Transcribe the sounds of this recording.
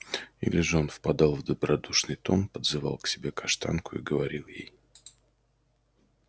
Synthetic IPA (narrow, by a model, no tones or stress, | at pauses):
ḭlʲɪʐɨonfpɐd̪alˠvd̪əbɾɐd̪uʂnɨjt̪o̞npəd̪zɨva̰lˠksʲɪbʲe̞kɐʂt̪a̰nkʊḭɡəvɐɾʲilˠjḛj